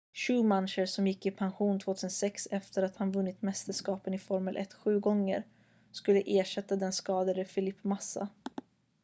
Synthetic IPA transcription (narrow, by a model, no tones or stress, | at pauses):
ɕʉːmanːʂəɾsɔmjɪkːɪpʰanɧuːnt̪ʰv̥oːt̪ʰʉːsənsɛksɛft̪əɾat̪hanvɵnːɪt̪mɛst̪əʂkɑːpənɪfɔɾməlʔɛ̰t̪ːɧʉ̟ːɡɔŋːə̰ɾ | skɵlːəʔeːʂɛt̪ːad̪ɛnskɑːd̪ad̪əfɪlɪpːmasːa̰